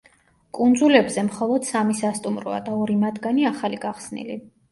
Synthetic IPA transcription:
kʼund̪zulɛbzɛmχɔlˠɔd̪̥samisast̪ʼumɾɔ̰a̰d̪aɔɾimad̪ɡaniaχaliɡaχsnḭli

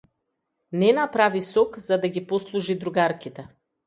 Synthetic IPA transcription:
nɛnapɾavisɔkzad̪aɡipɔslˠuʒid̪ɾuɡaɾkit̪ɛ

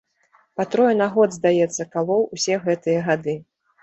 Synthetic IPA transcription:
pat̪ɾɔjɛnaɣɔd̪zd̪ajɛt̪sːɐkalˠɔwusʲɛɣɛt̪ɨjɐɣad̪ɨ

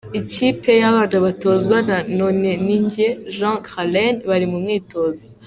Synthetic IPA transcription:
icipʰe̞jaβanaβatozɡwananoneniɲɟeʒãkʁalenβaɾimumŋiːto̞ːzo

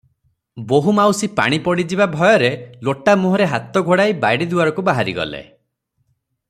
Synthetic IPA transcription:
boɦumawsipa̰ɽ̃ipɔɽid͡ʒibabʱɔjɔɾeloʈamuɦɔɾeɦat̪ɔɡʱoɽajbajɽid̪uaɾɔkubaɦaɾḭɡɔ̰lḛ

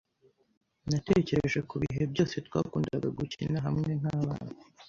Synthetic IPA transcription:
nate̞ce̞ɾeʒe̞kuβiɦe̞bjo̞ːse̞twa̰ːkuːndaɡaɡucinaɦamŋe̞ŋ̥haːβa̰ːnu

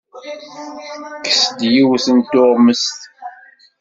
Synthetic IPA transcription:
kə̥sd̪jiwθənt̪oʁməst̪

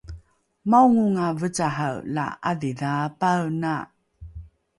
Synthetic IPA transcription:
mawŋuŋavət͡saɦawla̰aðiðapawna

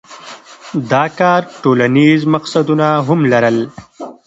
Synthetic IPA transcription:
d̪ɑːkaːɾʈoːlanizmɐqsad̪unaɦʊmlɐɾəl

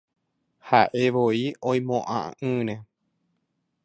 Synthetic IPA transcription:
haʔe̞ʋoiõj̃mõʔã̰ɨ̃ɾẽ

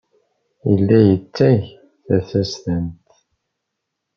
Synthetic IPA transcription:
əlːæjət͡sːæʝ | θæθæstənt̪

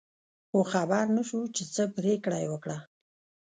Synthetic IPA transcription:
xoxabaɾnaʃut͡ʃet͡səpɾekɽajwəkɽa

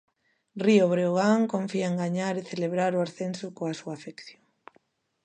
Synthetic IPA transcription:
rioβɾeoɣaŋkoɱfiaeŋɡaɲaɾeθeleβɾaɾʊaɾθensʊkoasuaːfekθjo

